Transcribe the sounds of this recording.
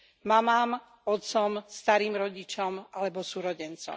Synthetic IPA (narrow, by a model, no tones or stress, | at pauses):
mamaːm | ɔt̪sɔmst̪aɾiːmɾɔɟit͡ʃɔmʔalɛbɔsuɾɔɟɛnt͡sɔ̰